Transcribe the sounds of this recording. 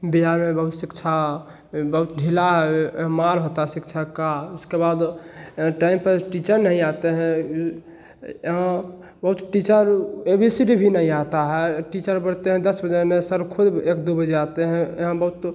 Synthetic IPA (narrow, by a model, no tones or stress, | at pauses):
biɦaɾmebəɦut̪sikt͡ʃʰa | bəɦut̪ɖʱilaɦɛɦmaɾɦot̪aɦɛsikt͡ʃʰakauskebad̪̃ | ʈaimpəʈit͡ʃəɾnəɦĩat̪eɦɛ̃ | ɦə̃ | bəɦut̪ʈit͡ʃəɾebʱisiɖibʱinəɦĩat̪aɦɛʈit͡ʃəɾbəɽt̪eɦɛ̃d̪əsbəd͡ʒenesəɾkʰud̪ekd̪ubəd͡ʒeat̪eɦɛ̃eɦə̃bəɦut̪